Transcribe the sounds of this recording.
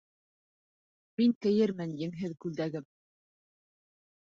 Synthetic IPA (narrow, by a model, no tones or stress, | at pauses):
miŋk̪ɘ̆jɘɾmɘnjɘ̆ŋɦɘðkʉld̪æɡɘm